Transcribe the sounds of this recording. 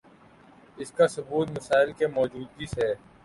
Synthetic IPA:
ɪskasʊbuːt̪mɐsaːɪlkemɔːd͡ʒuːd̪̚ise

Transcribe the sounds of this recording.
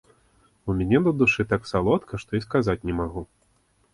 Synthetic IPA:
umʲɛnʲɛnɐd̪uʂɨt̪aksalˠɔt̪kʰɐʂt̪ɔiskazat͡sʲnʲɛmaɣu

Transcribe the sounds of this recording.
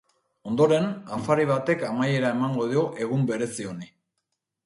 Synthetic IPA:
o̞nd̪o̞ɾe̞nafaɾiβ̞at̪e̞kamaje̞ɾae̞maŋɡo̞ð̞io̞ʔe̞ɣumbe̞ɾe̞sio̞ni

